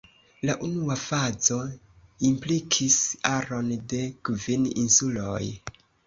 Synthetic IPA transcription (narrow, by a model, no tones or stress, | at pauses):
laʔunuafazo̞ | implikʰisaɾo̞nde̞kvininsuloj